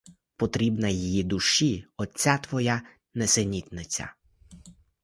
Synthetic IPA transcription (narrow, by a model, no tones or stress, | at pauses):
pɔt̪ɾʲibnɐjijid̪uʃiɔt͡sʲːat̪ʋɔja | nɛsenʲit̪ʲnɪt͡sʲɐ̰